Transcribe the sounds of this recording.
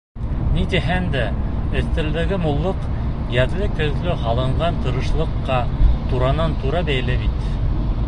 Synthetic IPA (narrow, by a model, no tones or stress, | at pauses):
nit̪iɦænd̪æɘ̆θt̪ɘ̆ld̪æ̆ɡɘmulˠːɤq | jæðlɘkɵ̆ðlɵɦɑlˠɤ̆ɴɢɑnt̪ɤ̆ɾɤ̆ʃlˠɤ̆qːɑ | t̪uɾɑnɑnt̪uɾɑbæjlɘbit̪